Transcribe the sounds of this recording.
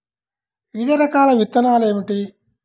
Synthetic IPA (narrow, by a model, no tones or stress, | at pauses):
id̪ɐɾɐkaːlɐʋit̪ːɐnaːleːmiʈi